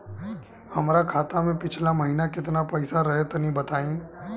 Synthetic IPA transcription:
hɐmɾakʰaːt̪amẽpɪt͡ʃʰlamɐɦiːnakɪt̪̬napɛɪsaɾɐɦet̪onĩbɐt̪aːĩː

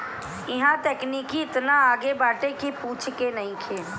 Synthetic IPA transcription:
ɪɦãt̪eːkniːkiɪt̪naaːɡebaːʈekipuːt͡ʃʰkenɐɦĩkʰeː

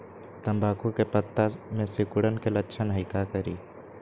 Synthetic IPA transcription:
t̪ɐ̃mbʱaːkokepət̪ːamẽsɪkʊɽənkelətːʃʰənɦəɪkakəɾiː

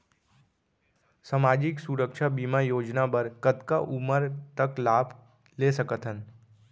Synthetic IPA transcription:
səmaːd͡ʒɪksuɾəkʃʰabimajoːd͡ʒnabəɾkəd̪ka̰ʔuməɾt̪əklaːbʱ | lesəkət̪ɦən

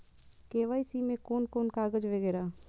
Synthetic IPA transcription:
keːʋaːisiːmẽːkoːnkoːnkaːɡəd͡ʒʋəɡeːɾaː

